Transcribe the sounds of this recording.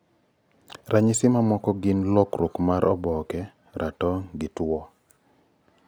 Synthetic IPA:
rʔaɲɪsɪmamɔkɔɡɪnlɔkɾʊkmaɾʔɔbɔkɛ | ɾʔatɔŋɡɪtwɔ

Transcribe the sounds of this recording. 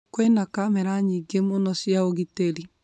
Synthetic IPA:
kwɛnakamɛɾaɲiɡemonɔsjaoɣiteli

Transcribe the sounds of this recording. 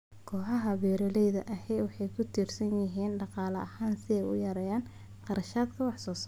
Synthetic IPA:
kʰɔːħɑɦɐβɛːɾɔlɛjðɐʔɐhɛjwɑħɑjkʰʊt̪ʰiːrsɐnjɪɦiːnɖɑqɑːlɐɐhaːnsɪɛjʊ̰jɐɾɛːjaːn | qɑɾɐʃaːd̪kʰɐwɑħsɔːs

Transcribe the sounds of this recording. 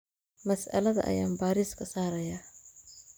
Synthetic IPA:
mɐsʔɐ̰lɐðɐ̰ʔɐ̰jaːmbaːɾɪskʰɐsaːɾɐjaː

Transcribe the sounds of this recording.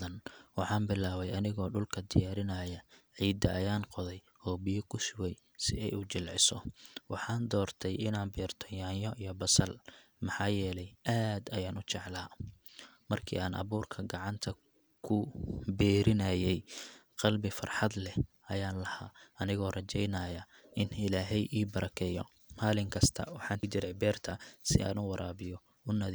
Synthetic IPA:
ɐnwɑħɑːnbɪlaːβɛjɐnɪɣɔːɖʊlkʰɐd̪ɪjaːɾɪnɐːjɐʕiːd̪ɐʔɐjaːnqɔðɛj | ɔːbijɐkʰʊsʊɣɛj | sɪ̰ɛjuːt͡ʃɪlʕɪ̰sɔwɑħɑːnd̪ɔːrt̪ʰɛjɪnaːnbiːrt̪ʰɔjaːnjɔʔijɞbɐsɐlmɑħɑːjɛːlɛjʔaːd̪ɐjaːnʊt͡ʃɑʕlaː | mɐrkʰḭːaːnʔɐ̰βuːrkʰɐɡɑʕɑnt̪ʰɐ | kʰʊbɛːɾɪnɐjɛjqɑlbɪfɐ̰rħɑd̪lɛ | ɐjaːnlɐhaːɐnɪɣɔːrɐt͡ʃɛjnɐːjɐ | ʔɪnɪlaːɦɛjʔiːbɐɾɐkʰɛːjɔ̰ | maːlɪŋkʰɐst̪ʰɐ̰wɑħɑːnt͡ʃɪɾɛjbɛːrt̪ʰɐsɪ̰a̰ːnʊwɑɾaːβɪjɔ | ʊnɐð

